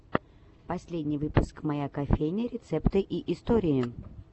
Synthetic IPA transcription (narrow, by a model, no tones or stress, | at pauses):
pɐsʲlʲedʲnʲɪjvɨpʊskmɐjakɐfʲejnʲəɾʲɪt̪sɛpt̪ɨʔiʔɪst̪oɾʲɪɪ